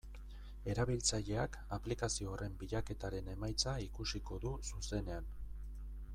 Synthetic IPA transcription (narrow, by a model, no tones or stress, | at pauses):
e̞ɾaβ̞ilt͡saʎe̞ak | aplikasioːre̞mbiʎake̞t̪aɾe̞ne̞majt͡saikusiko̞ðususe̞ne̞an